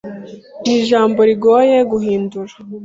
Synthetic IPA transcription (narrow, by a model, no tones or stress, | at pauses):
niʒaːmbo̞ɾiɡoːje̞ɡuhiːnduɾa